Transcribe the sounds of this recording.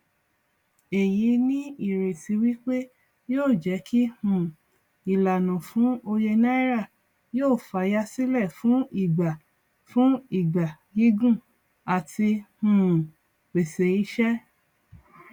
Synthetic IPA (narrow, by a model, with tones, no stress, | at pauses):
e˨ji˨˦nĩ˦i˦˨ɾe˨si˨˧˦wi˦k͡pe˦ | joː˦˨d͡ʒɛ˨˦kʰi˦hũ˦˨ | i˨la˨nũ˨fũ˨˦o˧je˧na˦i˦ɾa˦˨ | joː˦˨fa˨˦ja˧˦si˦lɛ˦˨fũ˨˦i˦˨ɡ͡ba˨ | fũ˦i˨ɡ͡ba˨ | ji˦ɡũ˦˨ | a˨ti˧hũ˨ | k͡pe˨se˨˦i˦ʃɛ˦